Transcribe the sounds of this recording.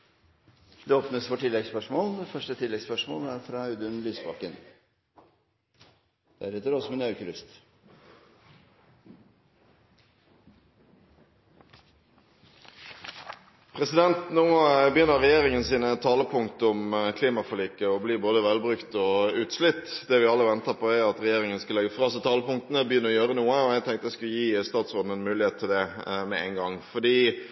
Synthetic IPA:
d̪ɛoːpnəsfɔʈɪlːɛɡspœʂmoːld̪fœʂʈət̪ʰɪlːɛɡspœʂmo̰ːlæɾfɾɑɑʉd̪ʉnlyːsbɑ̰ːkən | d̪̥ɛæɖɪt̪ːəd̪oːsɔmɛnɑʉçəlʏst̪ | pʰʁɛsɪd̪ɛnt̪noːbəjʏnːəʁɛjeːʁɪŋənsiːnət̪ʰɑːləpʰʊŋkt̪əʊmkʰliːmɑfɔliːkəɔbliːboːd̪əʋɛlbʁʉkt̪ɔʉːt̪slʏt̪ːd̪ɛʋɪɑlːəʋɛnt̪əpɔæɑt̪ʁɛjeːʁɪŋənskɑlɛɡəfʁɑːsɛt̪ʰɑːləpʊŋkt̪ənəbəjʏnːəɾɔjøːʁənuːəɔɛt̪ʰɛŋt̪ɛskʉljiːst̪ɑːt̪sʁoːd̪nɛnmʉːlɪheːt̪ʰːɪld̪ɛmɛæ̰ɪnɡɑŋfɔd̪iː

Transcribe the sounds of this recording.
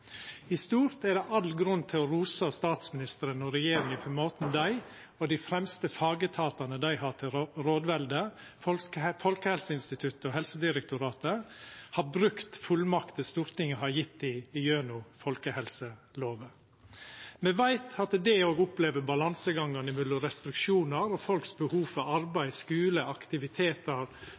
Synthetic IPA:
ɪst̪uːɾt̪ɛd̪ɛʔɑlɡɾʉnːt̪ʰɪlɔɾuːsɑst̪ɑːt̪smɪnɪst̪əɾənɔɾɛjeːɾɪŋənfɔmɔt̪n̩d̪æɪ | ɔd̪ɪfɾɛmst̪əfɑːɡət̪ʰɑːt̪ɑnəd̪æɪhɑːt̪ʰɪɾoːd̪ʋɛld̪ə | fɔfɔlkəhɛlsəɪnst̪ɪt̪ʰʉt̪əɔhɛlsəd̪ɪɾɛk̚t̪ʊɾɑːt̪əhɑbɾʉkt̪fʉlmɑkt̪əst̪uːɾt̪ɪŋːəhɑɾjɪt̪ːɪːjøːnʊfɔlkəhɛlsəloːʋə | mɛʋæɪt̪ʰɑt̪d̪ɛoːɡʊpleːʋəbɑlɑnsəɡɑŋːɑnɪmʏlʊɾɛst̪ɾɪkʃuːnəɾɔfɔlksbəhuːfɑɾɑɾbæɪskʉːləɑkt̪ɪʋɪt̪ʰeːt̪əɾ

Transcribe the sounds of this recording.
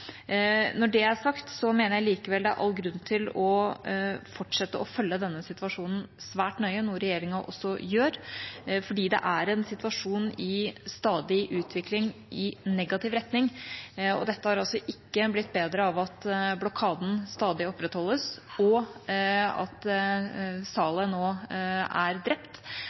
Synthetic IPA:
nɔɖɛæʂɑkt̪sɔmeːnəɾjæɪliːkəʋɛld̪ɛæɾʔɑ̰lːɡɾʉnːt̪ʰɪlɔ | fɔʈʂɛt̪ːəɔfœlːəd̪ɛnːəsɪt̪ʋɑʂuːnən̩sʋæːʈnœʏənuːɾɛjeːɾɪŋɑʔɔ̰sːɔjøːɾfɔɖiːd̪ɛ̰ʔæɾɛnsɪt̪ʋɑʂuːnɪst̪ɑːd̪ɪʔʉːt̪ʰʋɪklɪŋ | ɪnɛɡɑt̪ɪʋɾɛt̪nɪŋɔ̰d̪ɛt̪ːəhɑɾɑlsɔʔɪkːəblɪt̪ːbeːd̪ɾəɑʋɑt̪blɔkʰɑːd̪n̩st̪ɑːd̪ɪɔpːɾɛt̪hɔlːəsɔ | ɑ̰t̪ | sɑːlənoːæɾd̪ɾɛpt̪

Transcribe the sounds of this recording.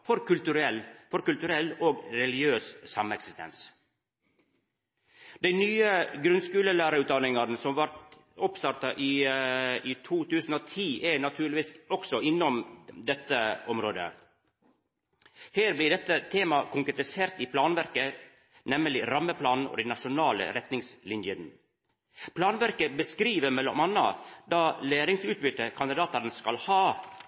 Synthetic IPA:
fɔɾkʉlt̪ʉɾɛlːfɔɾkʉlt̪ʉɾɛloːɡɾɛlɪɡjøːssɑmɛksɪst̪ʰɛ̰ns | d̪æɪnyːəɡɾʉnskʉːləlæːɾəʉːt̪d̪ɑnɪŋɑɾnsɔmʋɑɾt̪ | ɔpst̪ɑɾt̪ɑʔɪː | it̪ʰuːt̪ʉːsn̩oːt̪ʰiːʔɛnɑt̪ʰʉːɾɭɪʋiːsɔksɔɪnːɔmd̪ɛt̪ːəɔmɾoːd̪ə̰ | heːɾblɪɖ̪ɛt̪ːət̪ʰeːmɑkʰʊŋkɾɛt̪ɪseːɾt̪ɪpʰlɑːnʋæɾkə | nɛmːəlɪɾɑmːəpʰlɑːnn̩ɔ̰ːd̪ɛnɑʂʊnɑːlə̰ɾɛt̪nɪŋslɪnjən | pʰlɑːnʋæɾkəbəskɾiːʋəɾmɛlːɔmɑnːɑ̰d̪ɑːleːɾɪŋsʉːt̪̚bʏt̪ːəkʰɑnd̪ɪd̪ɑːt̪ɑɾnskɑlhɑː

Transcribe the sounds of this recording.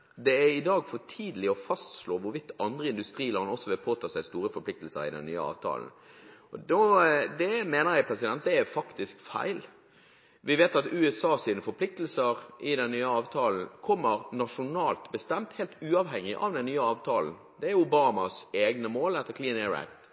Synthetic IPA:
d̪ɛæɾɪd̪ɑːɡfɔʈʰiːd̪əlɪɔfɑst̪sloːʋʊɾʋɪt̪ːɑnd̪ɾʁəɪnd̪ʉst̪ɾiːlɑːnɔsːɔʋɪlpʰoːt̪ʰɑːsæɪst̪uːɾəfɔɾplɪk̚t̪l̩sə̰ɾɪ̰d̪ɛ̰nːy̰ːə̰ɑ̰ːʋt̪ʰɑ̰ːln̩ | ɔd̪od̪ɛmeːnəɾjæɪpʰɾɛsɪd̪ɛnt̪̚d̪ɛæfɑkt̪ɪskfæ̰ɪl | ʋɪʋeːt̪ɑt̪ʉɛsɑːsiːnəfɔɾpʰlɪk̚t̪l̩səɾɪd̪ɛnːyːəɑːʋt̪ʰɑːln̩kʰɔmːəɾnɑʂʊnɑːlt̪bəst̪ɛmt̪heːlt̪ʉːɑʋɦɛŋːɪʔɑ̰ʋd̪ɛnːyːəɑːʋt̪ʰɑːln̩ | d̪ɛæɾʊbɑːmɑseːɡnəmoːlɛt̪ːəkʰliːnɛɾæ̰ɪt̪

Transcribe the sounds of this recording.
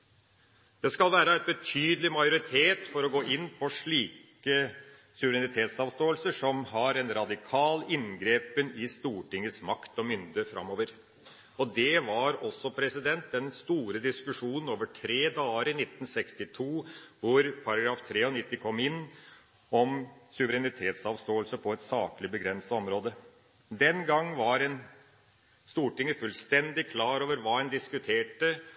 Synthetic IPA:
d̪̥ɛskɑlʋæːɾəɛt̪̚bət̪ʰyːd̪əlɪmɑɪjʊɾɪt̪ʰeːt̪fɔɾɔɡoːʔɪnːpʰɔʂɭiːk | ə | sʉʋəɾɛnɪt̪ʰeːt̪sɑːʋst̪oːəlsəʂɔmɦɑɾɛnɾɑd̪ɪkʰɑːlɪnɡɾeːpənɪst̪uːʈɪŋːəsmɑkt̪ɔmʏnd̪əfɾɑ̰moːʋəɾ | ɔd̪ɛʋɑɾɔsːɔpʰɾɛsɪd̪ɛnt̪̚ɛnst̪uːɾəd̪ɪskʉʂuːnən̩oːʋəʈʰɾeːd̪ɑːəɾɪnɪt̪ːn̩sɛkst̪ɪt̪ʰuːʋʊɾpʰɑɾɑɡɾɑːft̪ʰɾeːɔnɪt̪ːɪkʰɔmːɪnː | ɔmsʉʋəɾɛnɪt̪ʰeːt̪sɑʋst̪oːəlsəpʰɔɛt̪sɑːklɪbəɡɾɛnsɑɔmɾoːd̪ə | d̪ɛnɡɑŋːʋɑɾɛn | st̪uːʈɪŋːəfʉlst̪ɛnd̪ɪkʰlɑːɾoːʋəɾʋɑːɛnd̪ɪskʉt̪ʰeːʈə

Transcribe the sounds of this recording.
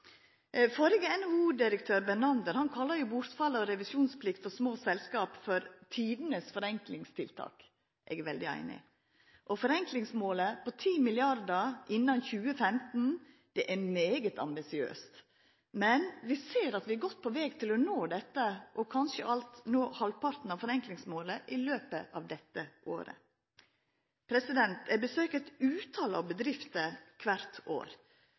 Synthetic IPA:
fɔɾɪɡəɛnhuːd̪ɪɾək̚t̪ʰøːɾbɛnɑnd̪əɾhɑnkʰɑlːəɾjʊbʊɾt̪fɑlːəɔɾɛʋɪsuːnspʰlɪkt̪fɔɾsmoːsɛlskɑːpfɔɾt̪ʰiːd̪nəsfɔɾɛŋklɪŋst̪ʰɪlt̪ʰɑ̰ːk | ʔɛɡʋɛld̪ɪæ̰ɪnɪ̰ | ʔɔfɔɾɛŋklɪŋsmoːləpɔt̪ʰiːmɪlɪɑɾd̪əɾʔɪnːɑnçʉːəfɛmt̪n̩ | d̪̥ɛʔæɾmeːɡət̪ʰɑ̰mbɪsɪø̰ːst̪ | mɛnʋɪseːɾɑt̪ʋɪæɡɔt̪̚ːpʰɔʋɛːɡt̪ʰɪlɔnoːd̪ɛt̪ːəʔɔkʰɑnʃəʔɑlt̪noːhɑlpɑɾt̪n̩ɑʋfɔɾɛŋklɪŋsmoːləʔɪløːpəʔɑʋd̪ɛt̪ːəʔo̰ːɾə̰ | pʰɾɛsɪd̪ɛnt̪æbəsøːkət̪ʉːt̪ʰɑːləɑ̰ʋbəd̪ɾɪft̪əkʰʋæɾt̪o̰ːɾ

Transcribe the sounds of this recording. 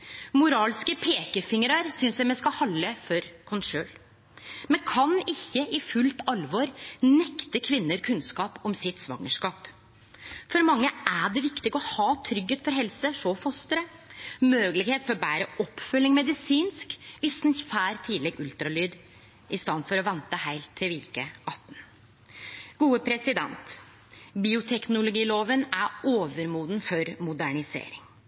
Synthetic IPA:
mʊɾɑːlskəpʰeːkəfɪŋəɾɑɾsʏnsæɪmɛskɑhɑlːəfɔɾkʰɔnʂøːl | mɛnkʰɑnɪçːəʔɪfʉlt̪ɑlʋɑɾnɛkt̪əkʰʋɪnːəɾkʰʉnskɑːpɔmsɪt̪sʋɑ̰ŋːəʂkɑːp | fɔɾmɑŋːəʔæɖɛʋɪkt̪ɪɡɔhɑːt̪ʰɾʏɡheːt̪fɔɾɦɛlsəʂɔfɔst̪əɾə | møːɡlɪɡheːt̪fɔɾbæːɾəʔɔpːfʉlːɪŋmɛd̪ɪsiːnskʋɪsnfæːɾt̪ʰiːd̪lɛɡʉlt̪ɾɑlyːd̪ | ɪst̪ɑnfɔɾɔʋɛnt̪əhæɪlt̪ʰːɪlʋiːkəʔɑt̪ːn̩ | ɡuːəpʰɾɛsɪd̪ɛ̰nt̪ | biːʊt̪ʰɛknʊlʊɡiːloːʋənæɾoːʋəɾmuːd̪nfɔɾmʊd̪æɳɪsḛːɾɪŋ

